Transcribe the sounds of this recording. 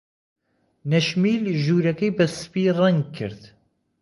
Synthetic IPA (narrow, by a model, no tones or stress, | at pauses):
nɐʃmiːlʒuːɾɐkɐjbɐsɨ̥piːrˤɐŋɡ̚kʰːɨ̰ɾd̪